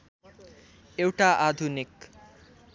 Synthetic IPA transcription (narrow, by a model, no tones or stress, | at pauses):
ewʈaʔad̪ʱunik